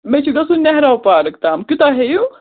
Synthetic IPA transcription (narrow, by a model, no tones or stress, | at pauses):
mẽt͡ʃʰuɡɐsunɛɦɾawpaːɾɐk̚t̪aːmkʊt̪aɦeju